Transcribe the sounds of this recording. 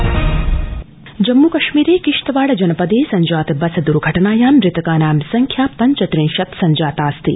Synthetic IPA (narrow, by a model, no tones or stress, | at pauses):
d͡ʒɐmːuːkɐʃmiːɾeːkiʂt̪ɐʋaːɽɐd͡ʒɐnɐpɐd̪eːsɐɲd͡ʒaːt̪bɐsɐd̪uɾɡʱɐʈɐnaːjaːmɾɪt̪ɐkaːnaːmsɐŋkʰjaːpɐɲt͡ʃɐt̪ɾinʃɐt̪sɐɲd͡ʒaːt̪aːst̪ḭ